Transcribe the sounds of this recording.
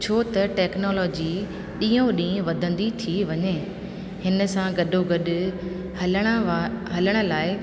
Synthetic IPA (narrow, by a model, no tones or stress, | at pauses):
t͡ɕʰoːt̪ɐʈɛːknoːlɔːd͡ʑi | ɗĩːõɗĩːʋɐd̪ʱə̃nd̪it̪ʰiʋɐɲe | hɪnə̆sãɡɐɗʱoɡɐɗʊ̆̃ | ɦɐləɽ̃ə̆laːɪ